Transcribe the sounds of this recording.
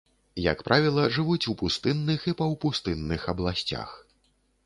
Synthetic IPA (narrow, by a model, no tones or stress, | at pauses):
jɐ̰kpɾʔavʲilˠɐʐɨvut͡sʲupust̪ɨnːɨxipɐwpust̪ɨnːɨxɐblˠasʲt͡sʲa̰x